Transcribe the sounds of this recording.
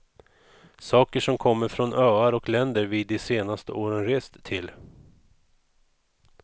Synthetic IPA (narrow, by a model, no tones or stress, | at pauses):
sɑːkəʂɔmkʰɔmːəɾfɾɔnøːaɾɔklɛnd̪əɾviːd̪ːɪseːnast̪əʔoːɾənɾeːst̪ʰːɪl